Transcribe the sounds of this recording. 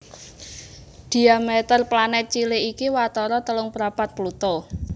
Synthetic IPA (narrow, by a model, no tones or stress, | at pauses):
d̪̥i̤amɛt̪ərplanɛt̪̚t͡ʃileikiwat̪ɔɾɔt̪əlʊŋpəɾapat̪̚plut̪ɔ